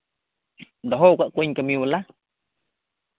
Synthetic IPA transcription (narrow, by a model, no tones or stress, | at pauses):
nd̪oɦoʔkaʔkʷeɲkamjuβala